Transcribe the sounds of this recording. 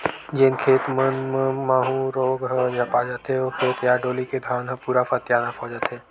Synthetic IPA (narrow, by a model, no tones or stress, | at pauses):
d͡ʒenkʰeːt̪mənmə̃maːɦũɾoːɡɦəd͡ʒʱɐpad͡ʒət̪eokʰeːt̪jaːɖoːliked̪ʱaːnɦə̃puːɾafət̪jaːnafʰɔːd͡ʒət̪ɦeː